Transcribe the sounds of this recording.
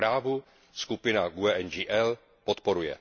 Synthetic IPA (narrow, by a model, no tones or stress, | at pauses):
ɾaːvu | skupɪnaɡuɛʔɛnd͡ʒiʔɛl | pot̪po̞ɾujɛ̰